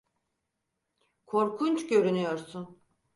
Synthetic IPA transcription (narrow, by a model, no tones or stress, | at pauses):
kʰo̞ɾkʰunt͡ʃɟø̞ɾynyjo̞ɾsun